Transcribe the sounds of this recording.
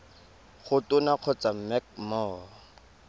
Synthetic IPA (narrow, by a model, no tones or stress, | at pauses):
χʊtʊnaq͡χʰɔt͡samɛk̚mɔː